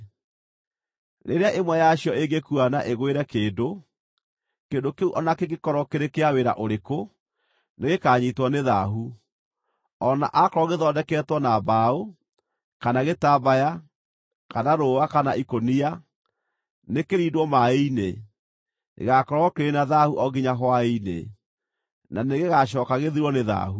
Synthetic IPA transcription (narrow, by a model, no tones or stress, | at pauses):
nʔḛɾeaʔemwɛjaɕjɔeɡekuana̰ʔeɣweɾɛkeːdo | kendokeuʔɔnakeɣekɔɾɔkeɾekeaweɾa̰ʔoɾeko | neɣekaːɲitwɔneðaɦu | ɔna̰ʔakɔɾɔɣeðɔdɛkɛːtwɔnabao | kanaɣetaβaja | kanaɾowakanaʔikonia | nekeɾiːdwɔmaeine | ḛɣakɔɾɔkeɾenaðahuʔɔɣiɲaɦwaenḛ | naneɣeɣaʃ̬ɔːkaɣeðiɾwɔneða̰hu